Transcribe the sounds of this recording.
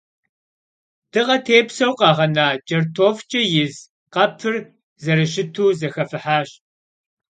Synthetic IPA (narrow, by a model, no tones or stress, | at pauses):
d̥ɨʁɐtʰeːpsɐwqɑːʁɐnaːt͡ʃʼɐrtʰoːft͡ʃʼɐjɪz | qɐpʰɨr | zɐɾɨʃ̬ɪtʰuːzɐxɐfɨħaːɕ